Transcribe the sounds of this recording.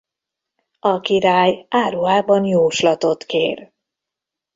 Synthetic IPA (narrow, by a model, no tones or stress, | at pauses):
ɒkiɾaːjaːɾuaːbɒnjoːʃlɒt̪o̞t̪keːr